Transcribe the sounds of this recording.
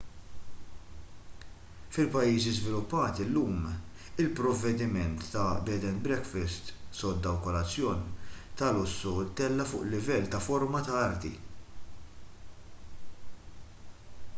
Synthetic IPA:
fɪlpɐjːiːzizvɪlʊpːɐːt̪ɪlːuːm | ɪlpɾɔvːɛd̪ɪmɛnt̪ːɐbɛːd̪ɛnbɾɛkfɛst̪sɔd̪ːɐwkɔlɐt͡sːjɔːnt̪ɐlʊsːʊt̪ːɛlːɐfʊ̰ːʔlːɪvɛlːt̪ɐfɔɾmɐt̪ɐɐɾt̪ḭ

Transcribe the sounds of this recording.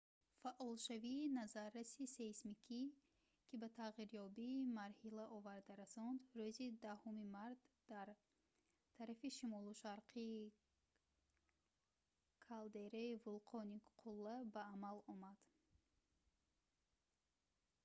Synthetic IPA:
faʔɔlʃaviːnazaɾːasisesmikʰi | kʰʲibat̪ʰaʁiɾjɔbiːmaɾhilaʔɔvaɾd̪aɾasɔnd̪ɾøzid̪ahumimaɾt̪d̪̥aɾ | t̪ʰaɾafiʃimɔluʃaɾqʰi | kʰald̪e̞ɾaivulqʰɔniqʰulːabaːmalɔmad̪̥

